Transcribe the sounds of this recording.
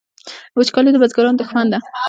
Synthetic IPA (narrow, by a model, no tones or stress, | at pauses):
wət͡ʃkɑled̪əbazɡaɾɑnd̪əxwand̪a